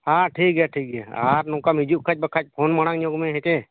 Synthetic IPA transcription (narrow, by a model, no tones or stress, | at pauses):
haʈʰik̚ɦɛʈʰik̚ɦɛ̰a̰ɾnɔkamid͡ʒuʔ̚kʰac̚bakʰac̚pʰonmaɽ̃aŋɲoɡmẽɦɛt͡ʃɛ